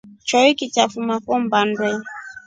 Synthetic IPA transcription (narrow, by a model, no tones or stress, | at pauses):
t͡ʃɔikitafumakɔmbandwɛ